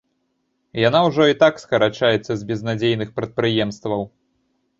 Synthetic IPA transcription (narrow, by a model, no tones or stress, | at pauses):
janawʐɔit̪akskɐɾat͡ʂajɛt̪sːɐzʲbʲɛznad͡zʲejnɨxpɾɐt̪̚pɾɨjɛmst̪vɐw